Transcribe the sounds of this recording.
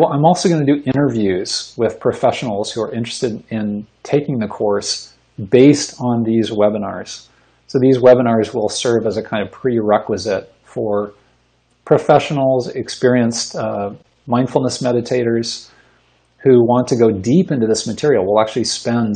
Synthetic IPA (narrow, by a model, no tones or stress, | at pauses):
wɛãɪ̃mɔlˠsoʊɡʌnɨdɨʔɪ̃ɾ̃ə˞vjʉz̥wɪð̥pʰɹ̥ɨfɛʃnl̩ˠz̥huə˞ʔɪ̃nt͡ʃɹ̥ɨ̥stɨɾɪ̃ntʰeɪkɪ̃ŋðɨkʰɔɹs | beɪstn̩ðizwɛbənɑ̰ɹz̥ | soʊðizwɛbənɑɹzwɪlˠsɜ˞vɨzɨkʰãɪ̃ndʌv̥pʰɹ̥iɹɛkwɨzɪt̚ | fə˞ | pʰɹ̥ɨfɛʃn̩l̩ˠzɪkspɪɹiɨ̃nst | mãɪ̃nd̥fl̩ˠnəsmɛɾɨtʰeɪɾə˞z̥ | huwɑ̃ntʰɨɡoʊdipɪ̃ntʉðɪsmɨtʰɪɹil̩ˠwɪlˠæk̚t͡ʃʉl̩ˠispɛ̃n